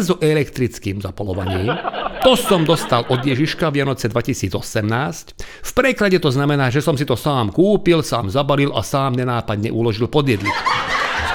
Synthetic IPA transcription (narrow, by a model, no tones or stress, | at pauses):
zɔʔɛlɛkt̪ɾit͡skiːmzapɔlɔʋaɲiːmt̪ɔsɔmd̪ɔst̪alʔɔd̪ɪjɛʒiʃkaʋjanɔt͡sɛd̪ʋacisiːd͡zɔsɛmnaːscfpɾɛklaɟɛt̪ɔznamɛnaːʒɛsɔmsit̪ɔsaːmkuːpilsaːmzabalilʔa̰saːmɲɛnaːpad̪ɲɛʔulɔʒilpɔd̪ɪjɛd̪lick